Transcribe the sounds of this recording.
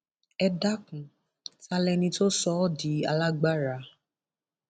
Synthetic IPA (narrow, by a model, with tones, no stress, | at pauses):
ɛ˧da˦kũ˨ | ta˦lɛ˧nĩ˧to˦sɔ˦di˨˦a˧la˦ɡ͡ba˦ɾa˨˦